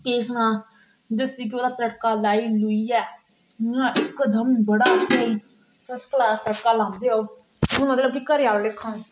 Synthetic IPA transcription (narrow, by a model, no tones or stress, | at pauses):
k̪eːsnãː | d͡ʒəsiːk̬ɪoːd̪aːt̪əʈkaːlaːiːlʊiːɛː | ãːʔɪkd̪əmbəɽaːseiː | səsklaːt̪əʈkaːlãːmd̪eːa | mət̪ləbikəɾjaːllɪkʰːən